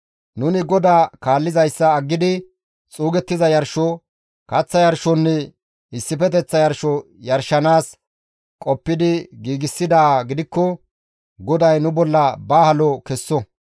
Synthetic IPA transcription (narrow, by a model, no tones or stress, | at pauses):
nʊnɪɡɔd̪aːkaːlːɪzɐjsːɐːɡːɪd̪ɪ | t͡sʼuːɡɛt̪ːɪzɐjɐɾʃɔ | kɐt͡sːɐjɐɾʃɔnːɛ | ɪsːɪfɛt̪ɛt͡sːɐjɐɾʃɔ | jɐɾʃːɐnaːs | kʼɔpːɪd̪ɪɡiːɡɪsːɪd̪aːɡɪd̪ɪkːɔ | ɡɔd̪ɐjnʊbɔlːɐbaːhɐlɔkɛsːɔ